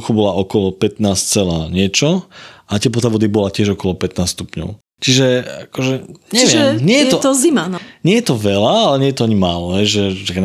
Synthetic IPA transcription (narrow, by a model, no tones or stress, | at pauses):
xɔbɔlaɔkɔlɔpɛt̪naːst͡sɛlaːɲɪɛt͡ʃɔʔatɪɛp̬lɔt̪aʋɔd̪ibɔlacɪɛʒɔkɔlɔpɛt̪naːsst̪upɲɔ̰ʊ | t͡ʃiʒɛakɔʒɛɲt͡ʃɛʋɪɛmɲɪɛjɛt̪ɔt̪ɔzimanɲɪɛjɛt̪ɔʋɛlaalɛɲɛjɛt̪ɔaɲimaːlɔɦɛjʒɛtaka